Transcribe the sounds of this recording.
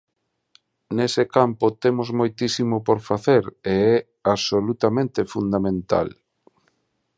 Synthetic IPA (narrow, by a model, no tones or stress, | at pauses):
nesekampʊt̪emozmojt̪isimopoɾfaθeɾeɛ | aβsolut̪amẽnt̪efund̪amẽnt̪a̰l